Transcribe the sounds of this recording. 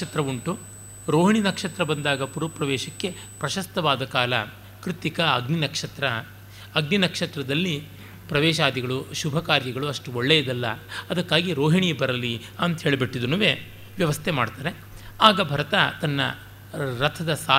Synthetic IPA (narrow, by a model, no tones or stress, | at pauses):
ɐt̪ɾɐuɳʈu | ɾoːɦiɳinɐkʂɐt̪ɾɐbɐnd̪aːɡɐpuɾɐpɾɐʋɛːʃɐkːe̞ | pɾɐʃɐst̪ɐʋaːd̪ɐkaːlɐ̰ | kɾit̪ikɐɐɡninɐkʂɐt̪ɾɐ | ɐɡninɐkʂɐt̪ɾɐd̪ɐlːi | pɾɐʋɛːʃaːd̪iɡɐɭuʃubʱɐkaːɾjɐɡɐɭuɐʂʈuoɭːejid̪ɐlːɐ̰ɐd̪ɐkːaːɡiɾoːɦiɳijbɐɾɐli | ɐnt̪ɦeːɭbeʈːid̪unɐʋe | ʋjɐʋɐst̪ʰemaːɽt̪aːɾe̞ | aːɡɐbʱɐɾɐt̪ɐt̪ɐnːɐ̰ | ɾɐt̪ʰɐd̪ɐsaː